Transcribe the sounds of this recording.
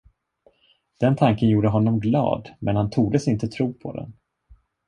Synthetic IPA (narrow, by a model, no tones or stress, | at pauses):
d̪̥ɛnt̪ʰaŋkənjuːɖəɦɔnːɔmɡlɑ̰ːd̪mʔɛnhant̪ʰuːɡd̪əsɪnt̪ət̪ʰɾuːpʰɔ̰d̪ɛ̰n